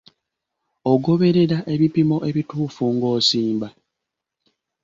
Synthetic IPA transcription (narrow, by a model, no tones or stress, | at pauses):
oɡo̞βe̞ɾe̞ɾaʔe̞βipimo̞ʔe̞βituːfuŋɡo̞ːsiːmba